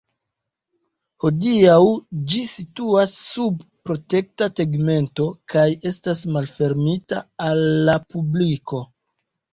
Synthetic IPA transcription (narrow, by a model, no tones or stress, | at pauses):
ho̞diawd͡ʒisituasːub̚pɾo̞te̞k̚tateɡme̞nto̞kaje̞stasmalfe̞ɾmita̰ːlːapubliko̞